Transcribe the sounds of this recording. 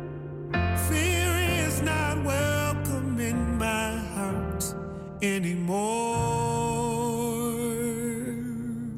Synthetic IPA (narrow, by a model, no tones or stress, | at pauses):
fiɹɪ̃ŋɪznət̚wɜ˞lkʌmɪ̃nmaɪhɑɹt | ɛnimɔ